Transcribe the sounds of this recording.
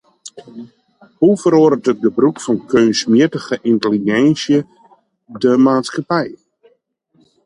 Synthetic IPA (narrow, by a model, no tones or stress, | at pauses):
hufəɾoːɾətət̚bəbrukfɔnkʰøːnsmiətəɣəʔintəliɡɛnsjə | dəmaːtskapɛj